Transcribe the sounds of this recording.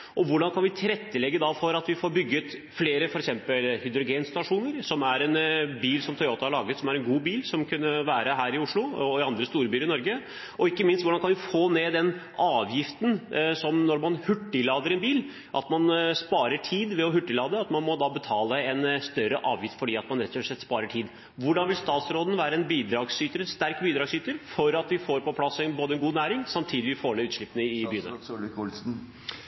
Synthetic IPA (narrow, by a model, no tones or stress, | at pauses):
ʔɔʋʊɖɑnkʰɑnʋɪt̪ʰɪɾɛt̪ːəlɛɡːəd̪ɑfɔɾɑt̪ʋɪfoːɾbʏɡːət̪ | fleːɾəfɔɾɛksɛmpəlhʏd̪ɾʊɡeːnst̪ɑʂuːnəɾsɔmæɾɛnbiːlsɔmt̪ʰœɪoːt̪əhɑɾɭɑːɡət̪sɔmæɾɛnɡuːbiːlsɔmkʰʉnːəʋæːɾəɦæːɾɪʊʂɭʊɔɪɑnd̪ɾəst̪uːɾəbyːɾɪnɔɾɡə | ʔɔɪkːəmɪnst̪ʋʊɖɑnkʰɑnʋɪfoːneːd̪ɛnʔɑːʋjɪft̪ənsɔmnɔɾmɑnhʉʈːɪlɑːd̪əɾɛnbiːl | ʔɑ̰t̪mɑnspɑːɾəʈʰiːd̪ʋɛɔɦʉʈːɪlɑːd̪əɑt̪mɑnmɔd̪ɑbət̪ʰɑːləɛnst̪œɾəʔɑːʋjɪft̪fɔɖiːɑt̪mɑnɾɛt̪ːɔʂɭɛt̪ːspɑːɾəʈʰiːd̪ | ʋʊɖɑnʋɪlst̪ɑːt̪sɾoːd̪ənʋæːɾəɛnbiːd̪ɾɑːɡsyːt̪əɾɛnst̪æɾkbiːd̪ɾɑːɡsyːt̪əɾfɔɾɑt̪ʋɪfoːɾpɔpʰlɑsɛnboːd̪əɛnɡuːnæːɾɪŋsɑmt̪ʰiːd̪ɪʋɪfoːlɛʉːt̪ʂɭɪpːənəɪbyːnəsn̩